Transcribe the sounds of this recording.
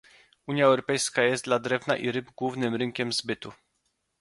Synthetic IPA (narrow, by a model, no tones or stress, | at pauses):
uɲjaɛwɾɔpɛjskajɛst̪d̪lad̪ɾɛvna̰ʔiɾɘbɡwuvnɘmɾɘŋkʲɛmzbɘt̪u